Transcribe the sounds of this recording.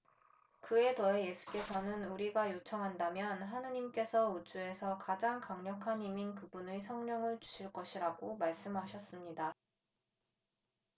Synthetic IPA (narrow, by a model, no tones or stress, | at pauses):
kɯe̞tʌeje̞sʰu̥k͈e̞sʰʌnɯnuɾiɡajot͡ɕʰʌŋɦandamjʌnɦanɯɲimk͈e̞sʰʌud͡ʑue̞sʰʌkad͡ʑaŋkaŋɲʌkʰaniminkɯbunesʰʌŋɲʌŋɯɭt͡ɕu̥ɕʰiɭk͈ʌɕʰiɾaɡomaɭs͈ɯmɦaɕʰʌs͈ɯmɲida